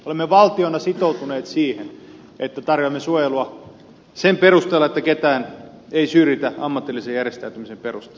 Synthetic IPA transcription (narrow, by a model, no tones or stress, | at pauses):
olemːeʋɑlt̪ionɑsit̪out̪uneːt̪siːhen | et̪ːæt̪ɑrjoɑmːesuojeluɑ | semperust̪eːlɑet̪ːæket̪æːn | eisyrjit̪æɑmːɑt̪ːilːisejærjest̪æyt̪ymisemperust̪e̥l